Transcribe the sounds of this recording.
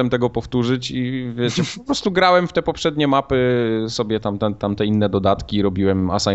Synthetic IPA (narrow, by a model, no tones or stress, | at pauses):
ɛmt̪ɛɡɔpɔft̪uʐɘt͡ɕivʲjɛt͡ɕɛɔpɾɔst̪uɡɾawɛmft̪ɛpɔpʂɛd̪ɲɛmapɘsɔbʲjɛt̪amt̪ɛt̪amt̪ɛinːɛd̪ɔd̪at̪kʲiɾɔbʲiwɛma̰sa